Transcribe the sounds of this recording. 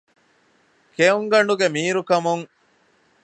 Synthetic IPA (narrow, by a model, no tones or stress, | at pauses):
keuŋɡɐɳɖuɡemiːɾukɐmuŋ